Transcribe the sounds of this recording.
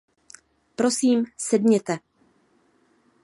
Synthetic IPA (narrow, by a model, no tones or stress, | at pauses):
pɾo̞siːmsɛdɲɛt̪ɛ